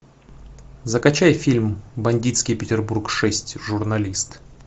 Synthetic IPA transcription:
zəkɐt͡ɕajfʲilʲmbɐnʲdʲit̪skʲɪjpʲɪtʲɪrburkʂɛsʲtʲʐʊrnɐlʲist̪

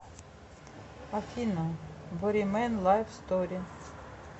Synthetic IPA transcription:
afʲinabɔɾimɛnlˠajfst̪ɔɾi

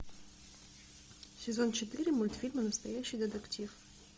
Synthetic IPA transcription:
sʲɛzɔnt͡ʃɛt̪ɨɾɨmulʲt̪fʲilʲmɨnɐst̪ajaɕid̪ɛd̪ɐktʲif

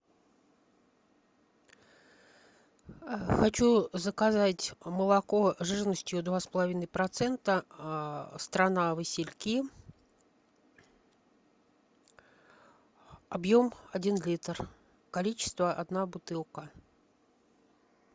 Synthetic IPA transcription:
xɐt͡ɕuzəkazatʲməlˠɐkoʐɨʐənəsʲtʲjʊd̪vaspəlˠɐvʲinəjpɾɐt̪sɛnt̪ə | st̪ɾɐnavɨsʲɪlʲkʲi | ɐbjomɐdʲinlʲit̪r | kɐlʲit͡ɕɪ̥st̪vəʔɐd̪nabʊt̪ɨlˠkə

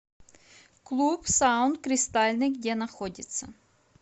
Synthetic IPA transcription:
klˠupsaʊnt̪̚kɾʲɪst̪alʲnɨjɡdʲɛnɐxɔdʲɪt̪sɐ̰

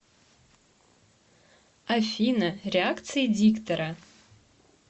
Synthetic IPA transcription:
afinarʲeakt͡sʰɨjadiktʰɐɾa

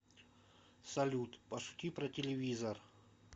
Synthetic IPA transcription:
sɐlʲut̪pɐʂʊ̥tʲipɾɐtʲɪlʲɪvʲizɐr

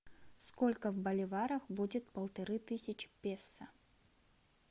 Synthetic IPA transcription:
skolʲkəvbəlʲɪvaɾəxbudʲɪt̪̚pəlˠt̪ɐɾɨt̪ɨsʲɪt͡ɕpʲesːə

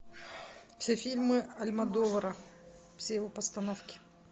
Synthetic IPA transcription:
fsʲefʲilʲmɨɐlʲmɐd̪ovɐɾɐ | fsʲejɪvopəst̪ɐnofkʲɪ̥

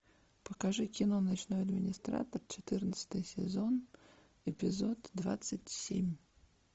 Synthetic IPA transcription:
pəkɐʐɨkʲɪnonɐt͡ɕnojɐd̪mʲɪnʲɪst̪ɾa̰t̪ərt͡ɕɪt̪ɨrnət̪sə̥t̪ɨjsʲɪ̰zo̞n | ɪpʲɪzo̞d̪d̪va̰t̪sətʲsʲḛmʲ

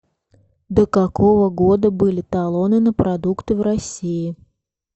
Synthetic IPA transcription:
d̪əkɐkovəɡod̪əbɨlʲɪt̪ɐlˠonɨnəpɾɐd̪ukt̪ɨvrɐsʲiɪ

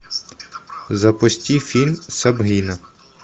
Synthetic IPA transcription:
zɐpɔsʲtʲifʲilʲmsɐbɦinɐ

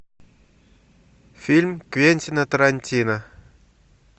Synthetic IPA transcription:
fʲilʲmkvʲenʲtʲinat̪ɐɾanʲtʲina

